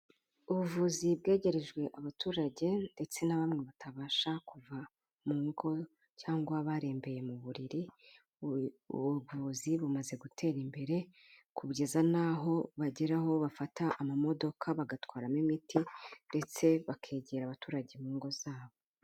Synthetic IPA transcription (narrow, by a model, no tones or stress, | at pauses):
uβuvuːzibɡe̞ːɟe̞ɾe̞ʒɡwe̞ʔaβatuːɾaɟe̞nde̞t͡se̞naβamŋe̞βatʰaβaːʃakuva | muːŋɡo̞ | caːŋɡwaβaɾe̞ːmbe̞je̞muβuɾiɾi | βuvuːziβumaze̞ɡutʰe̞ːɾimbe̞ɾe̞ | kuβɟezanaɦo̞βaɟiɾaho̞βafataʔamamo̞do̞kʰaβaɡatwaːɾamimitʰinde̞t͡se̞βakʰe̞ːɟeːɾaβatuːɾaɟe̞muːŋɡo̞zaːβo